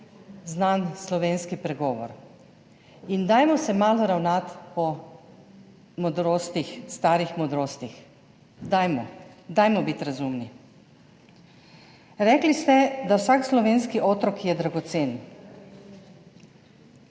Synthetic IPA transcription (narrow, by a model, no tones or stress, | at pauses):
znanslɔʋeːnskipɾɛɡɔːʋɔ̰ɾ | ind̪aːjmɔsɛmaːlɔɾawnat̪pɔ | mɔd̪ɾoːst̪ixst̪aːɾixmɔd̪ɾoːst̪ix | d̪ajmɔd̪ajmɔbit̪ɾazumni | ɾɛklist̪ɛd̪awsaːkslɔʋeːnskiʔoːt̪ɾɔkjɛd̪ɾaɡɔt̪seːn